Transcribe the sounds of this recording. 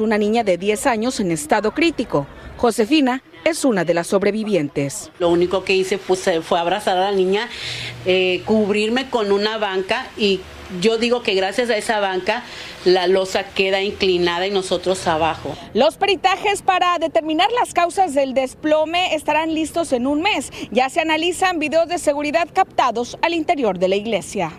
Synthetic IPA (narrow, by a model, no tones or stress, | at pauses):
unanĩɲaðe̞ðje̞saɲo̞se̞ne̞st̪aðo̞kɾit̪iko̞ | xo̞se̞fina | e̞sunaðe̞lasːo̞βɾe̞βiβje̞nt̪e̞slouniko̞ke̞ise̞fesefweaβɾasaɾalanĩɲaekuβɾiɾme̞ko̞nũnaβaŋkai | ʝo̞ðiɣo̞ke̞ɣɾasjasae̞saβaŋka | lalo̞sake̞ðaiŋklinaðaino̞so̞t̪ɾo̞saβaxo | lo̞speɾit̪axe̞spaɾaðe̞t̪e̞ɾmĩnaɾlaskawsazðe̞ld̪e̞splo̞me̞est̪aɾanlist̪o̞se̞nunme̞sʝase̞analisambiðe̞o̞zðe̞se̞ɣuɾiðaðkapt̪aðo̞salint̪e̞ɾjo̞ɾðe̞laiɣle̞sja